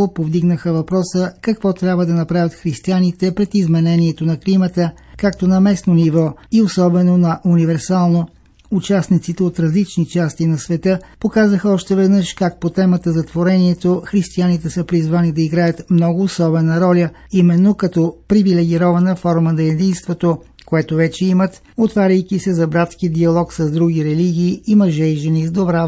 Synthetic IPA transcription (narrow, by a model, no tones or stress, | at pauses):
opovd̪iɡnəxəvɐpɾɔsəkɐkvɔt̪ɾʲabvəd̪ɐnɐpɾavʲɐt̪xɾist̪ianit̪ɛpɾɛt̪izmɛnɛniɛt̪onɐklimət̪ə | kak̚t̪onɐmɛsnonivɔiosɔbɛnonɐʔunivɛɾsalˠno | ut͡ʃasnit̪sit̪ɛot̪ɾɐzlit͡ʃnit͡ʃast̪inɐsvɛt̪ɤpokazəxəɔʃt̪ɛvɛd̪nəʃkak̚pot̪ɛmət̪əzɐt̪voɾɛniɛt̪oxɾist̪ianit̪ɛsəpɾizvanid̪ɐiɡɾajət̪mnɔɡʊːsɔbɛnəɾɔlʲəimɛnːokɐt̪ɔpɾivilɛɡ̟ʲiɾɔvɐnəfɔɾmənɐɛd̪inst̪vot̪o | koɛt̪ovɛt͡ʃɛimət̪ | ot̪vaɾʲəjkisɛzɐbɾat̪skid̪iɐlˠɔksɐzd̪ɾuɡʲiɾɛliɡʲiːimɐʒɛjʒɛnizd̪obɾa